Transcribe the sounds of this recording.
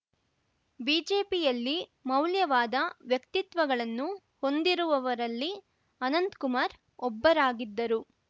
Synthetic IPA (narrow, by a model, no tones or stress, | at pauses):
biːd͡ʒeːpijɐlːimɐwljɐʋaːd̪ɐʋjɐkt̪it̪ʋɐɡɐɭɐnːu | ho̞nd̪iɾuʋɐʋɐɾɐlːi | ɐnɐnd̪kumaːɾ | ɔbːɐɾaːɡid̪ːɐɾu